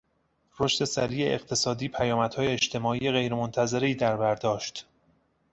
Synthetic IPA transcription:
roʃt̪e̞sæɾiːjeḛqt̪ʰe̞sɒːd̪iːpʰæjɒːmæd̪hɒːje̞ːt͡ʃt̪ʰe̞mɒːiːjeɣe̞jɾemont̪ʰæze̞ɾeiːd̪æɾbæɾd̪ɒːʃt̪

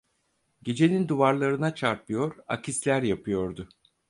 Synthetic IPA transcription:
ɟe̞d͡ʒe̞nʲind̪uvaɾlˠaɾɯnat͡ʃʰaɾpʰɯjo̞ɾa̰cʰislʲæɾjapʰɯjo̞ɾd̪ʊ

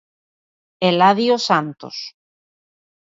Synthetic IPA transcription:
elaðiosant̪o̰s

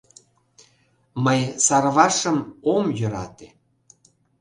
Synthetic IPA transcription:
məjsɑrβɑʃəmomjøɾɑ̰t̪e

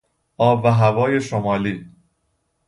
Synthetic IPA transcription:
ʔɒːbːæɦævɒːje̞ʃomɒːliː

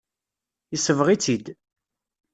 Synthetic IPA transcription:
isəvʁit͡sːid̪

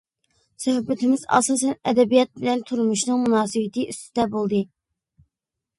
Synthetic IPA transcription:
sɑɦbɪt̪ʰɪmɪzɑ̰sɑːsɛnɛd̪ɛbijɑt̪̚bɪlɛnt̪ʰuɾmuʃnɨŋmunɑːsɨbɪt̪ʰɨʔyst̪ʰɪd̪ɛbolˠd̪ɨ

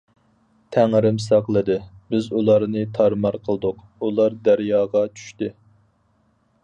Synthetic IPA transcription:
t̪ʰæŋɾɪmsɑqlˠɨd̪ɨbɪzulˠɑɾnɨt̪ʰɑɾmɑɾqʰəlˠd̪ʊq | ulˠɑɾd̪æɾjɑːʁɑt͡ʃʰy̥ʃt̪ɨ

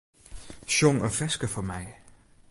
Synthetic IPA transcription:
ɕɔŋəfɛsɡ̥əfɒmaɪ

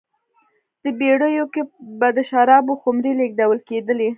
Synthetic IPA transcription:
d̪̥əbeɽəjokebad̪əʃaɾɑboxʊmɾileɡ̚d̪awəlked̪əle

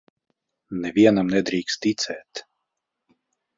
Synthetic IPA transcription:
nɛviɛnamnɛd̪ɾiːkst̪t̪it̪sɛːt̪

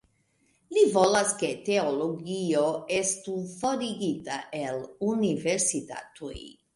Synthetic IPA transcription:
livolasket̪eoloɡioest̪ufoɾiɡit̪aʔeluniveɾsit̪a̰t̪uj

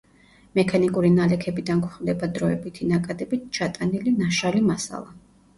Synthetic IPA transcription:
mɛkʰanikʼuɾinalɛkʰɛbid̪ankχvd̪ɛbad̪ɾɔɛbit̪ʰinakʼad̪ɛbit̪̚ʰt͡ʃʰat̪ʼanilinaʃalimasa̰lˠa

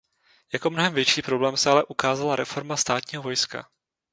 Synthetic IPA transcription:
jako̞mno̞ɦɛmvjɛt͡ʃiːpɾo̞blɛːmsɛalɛʔukaːzalaɾɛfo̞ɾmast̪aːt̪ɲiːɦo̞vo̞jska̰

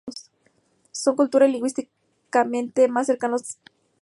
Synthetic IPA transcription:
s | soŋkult̪uɾaliŋɡwist̪i | kament̪emasːeɾkanos

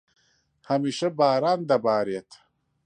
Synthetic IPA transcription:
hɐmiːʃɐbaːɾaːnd̪ɐbaːɾijet̪ʰ

